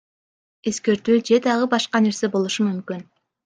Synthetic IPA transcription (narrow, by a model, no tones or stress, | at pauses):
e̞ske̞ɾt̪yːd͡ʒe̞d̪ɑʁɯbɑʃqɑne̞ɾse̞bo̞lˠuʃumymkyn